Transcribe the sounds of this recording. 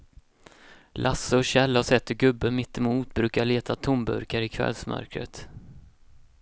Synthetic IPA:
lʔasːəɔɕɛlːaɔsɛt̪ːəɾɡɵbːəmɪt̪ːɪmuːt̪̚bɾʉ̟ːkaɭeːt̪ʰat̪ʰʊmbɵ̰ɾkaɾɪkʰvɛ̰lsmœ̰ɾkɾə̰t̪

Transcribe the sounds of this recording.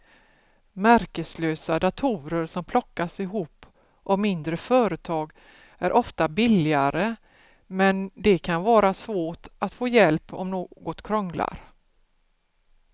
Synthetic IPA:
mæɾkəsløːsad̪at̪ʰuːɾəɾsɔmpʰlɔkːasɪɦuːpː | ʔɔmɪnd̪ɾəfœːɾət̪ʰɑːɡ | æɾʔɔft̪abɪlɪaɾə | mɛnd̪ɛkʰanvɑːɾasvoːʈat̪foːjɛlpɔ̰mnoːɡɔt̪kʰɾɔŋla̰ɾ

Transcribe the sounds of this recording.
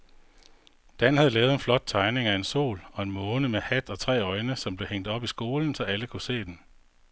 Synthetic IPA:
d̥æn̰hæð̞ˠlɛːʊð̩ˠe̝nflɒ̽d̥̚t͡sʰɑ̈ɪne̝ŋæe̝nso̝̰ːlɒ̽e̝nmɔ̽ːnəmehæd̥ɒ̽t͡sʰʁɛ̰ːɒ̽ɪnəsɒ̽mb̥le̝heŋ̰d̥ɒ̽b̥isɡ̥o̝ːln̩sɒ̽æləkʰuse̝̰ːd̥en

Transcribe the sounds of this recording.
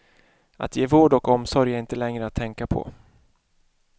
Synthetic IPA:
ʔa̰t̪jeːvoːɖɔkɔmsɔɾjaɪnt̪əlɛŋɾəat̪ʰːɛŋkapʰɔ̰

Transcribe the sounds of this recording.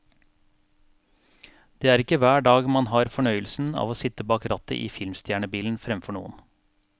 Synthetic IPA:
d̪̥eːæːɾɪkəʋæːɖɑːɡmɑnhɑːɾfɔɳœʏəlsn̩ɑ̰ːʋoːsɪt̪əbɑːkɾɑt̪ə̰ʔḭːfɪlmst̪ʰjæːɳəbiːln̩fɾɛmfɔɳṵːən

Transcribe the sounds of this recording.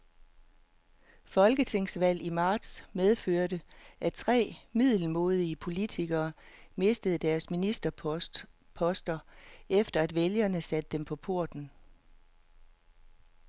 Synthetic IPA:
fɒ̽lɡ̥ət͡sʰe̝ŋ̰sʋæl̰imɑ̈ːd̥smeð̞ˠføɐ̰ɾəʔæt͡sʰʁɛ̰ːmið̞̰ˠl̩mo̝ːð̞ˠiəpʰo̝lit͡sʰiɡ̥ɐːme̝sd̥əð̩ˠd̥æɐsminisd̥ɐ | pʰɒ̽sd̥ɐefd̥ɐæd̥ʋeljɐnəsæd̥əd̥empʰɒ̽pʰo̝ɐ̰d̥n̩

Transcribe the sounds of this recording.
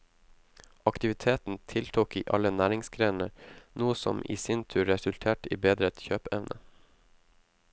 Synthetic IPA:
ɑkt̪ɪʋɪt̪ʰeːt̪n̩t̪ʰɪlt̪ʰuːkḭːʔɑlənæːɾɪŋsɡɾeːnə̰ɾnuːəsɔ̰mʔḭːsɪnt̪ʰʉːɾɛsʉlt̪ʰeːʈḭːbeːd̪ɾəɛt̪çøːpɛʋnʔə̰

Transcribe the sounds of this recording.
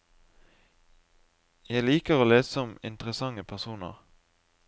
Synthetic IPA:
jæɪliːkəʁoːleːssɔmɪ̰nt̪əʁəsɑŋəpʰæʁsuːnə̰ʁ

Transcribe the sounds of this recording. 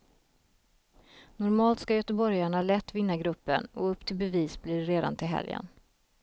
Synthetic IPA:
nɔɾmɑːlt̪skajœt̪əbɔɾjaɳalɛt̪ːvɪnːaɡɾɵpːə̰nɔɵpːt̪ʰɪlbɛviːsblɪːɾeːd̪a̰nt̪ʰɪlɦɛ̰ljə̰n

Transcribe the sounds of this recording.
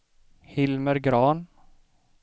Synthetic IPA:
hɪlməɾɡɾɑːn

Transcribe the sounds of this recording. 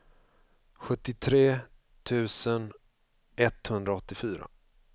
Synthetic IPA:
ɧɵt̪ːɪt̪ʰɾeː | t̪ʰʉ̟ːsən | ɛt̪hɵnd̪ɾaɔt̪ːɪfyːɾa̰

